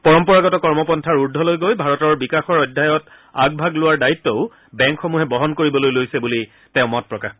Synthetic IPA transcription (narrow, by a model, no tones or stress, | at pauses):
pɔɹɔmpɔɹaɡɔtɔkɔɹmɔpɔntʰaɹuɹdʱːɔlojɡojbʱaɹɔtɔɹbikaxɔɹɔdʱːajɔt | a̰ɡ̚bʱaɡlʊwaɹdaitːɔʊ | bɛŋkxomuɦɛbɔɦɔnkoɹibɔlojlojsɛbuli | tɛ̃ʊ̃mɔt̚pɹɔkax